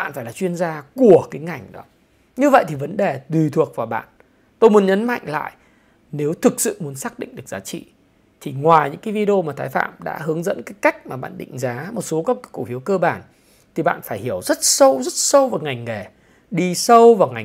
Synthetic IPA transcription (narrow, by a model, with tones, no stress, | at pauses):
ɓa̰ː˧˨nfaː˧˩laː˨˩t͡ɕwi˧ənzaː˧ku˧˩əkaː˨˦jŋa˨˩jŋ̟ɗɔ˨˦ | ɲɨ˧və̰˧˨jt̪ʰi˨˩və˨˦nɗe˨˩t̪wi˨˩t̪ʰu˨˩ək̚vaː˨˩wɓa̰ː˧˨n | t̪o˧jmu˨˦ənɲə˨˦nma̰˧˨jŋ̟la̰ː˧˨jʔ | ne˨˦wt̪ʰɨ˨˩k̚sɨ̰˧˨mu˨˦ənsaː˦˥k̚ɗḭ˧˨ŋ̟ɗɨ˨˩ək̚zaː˨˦t͡ɕḭ˧˨ | t̪ʰi˨˩ŋwaː˨˩jɲɨ̰˧˥ŋkaː˨˦vi˧ɗe˧o˧maː˨˩t̪ʰaː˨˦jfa̰ː˧˨mɗa̰ː˧˥ɦɨ˨˦əŋzə̰˧˥nkaː˨˦jka˦˥jk̟̚maː˨˩ɓa̰ː˧˨nɗḭ˧˨ŋ̟zaː˨˦mo˨˩t̚so˨˦kɔ˨˦˨kṵ˧˩fi˨˦əwkəː˧ɓaː˧˩n | t̪ʰi˨˩ɓa̰ː˧˨nfaː˧˩jhi˧˩əwzə˦˥t̚sə˧wzə˦˥t̚sə˧wvaː˨˩wŋa˨˩jŋ̟ŋe˨˩ | ɗi˧sə˧wvaː˨˩wŋa˨˩